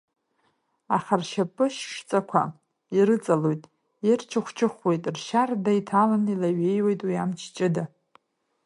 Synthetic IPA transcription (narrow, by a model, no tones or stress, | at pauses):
aχarʃapʼɨʃʃt͡sʼakʷʰa̰ | iɾɨt͡sʼalojtʼ | irt͡ʃʰɨχʷt͡ʃʰʼɨχwe̞jtʼrʃardajtʰalanilaɥe̞jwe̞jtʼwiamt͡ʃʰt͡ʃʼɪda